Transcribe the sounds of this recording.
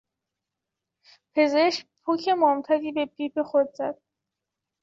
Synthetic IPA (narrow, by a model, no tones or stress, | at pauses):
pʰe̞ze̞ʃc̚pʰucʰe̞mɒːmt̪ʰæɾiːbe̞pʰiːpʰe̞xod̪zæd̪̥̚